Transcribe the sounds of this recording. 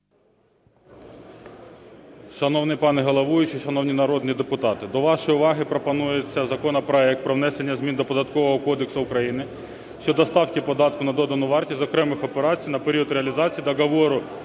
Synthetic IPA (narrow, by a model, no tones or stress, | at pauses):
ʃɐnɔwnɪjpɑnɛɦɐlˠɐʋuʋʲɪt͡ʃiʃɐnɔwnʲinɐɾɔd̪nʲid̪epʊt̪ɑt̪ɪd̪ɔʋɑʃɔjʊʋɑɦɪpɾɔpɐnujet͡sʲːɐzɐkɔnɐpɾɔɛk̚t̪̚pɾɔʋnɛsenʲːɐzʲmʲind̪ɔpɔd̪ɐt̪kɔʋɔɦɔkɔd̪eksʊʊkɾɐjinɪ | ʃt͡ʃɔd̪ɔst̪ɑwkʲipɔd̪ɑt̪kʊnɐd̪ɔd̪ɐnʊʋɑrtʲizɔkɾɛmɪxɔpeɾɑt͡sʲijnɐpeɾʲiɔd̪ɾeɐlʲizɑt͡sʲijd̪ɐɡɐʋɔɾʊ